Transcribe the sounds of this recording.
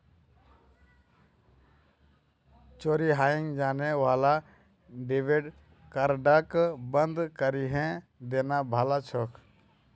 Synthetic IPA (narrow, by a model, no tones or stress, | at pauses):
t͡ʃoːɾiɦaːɪ̃ŋɡd͡ʒaːneʋaːla | ɖeːʋeɖ | kəɾɖakbənd̪kəɾiɦɛ̃ | d̪eːnabʱaːlat͡ʃʰɔkʰ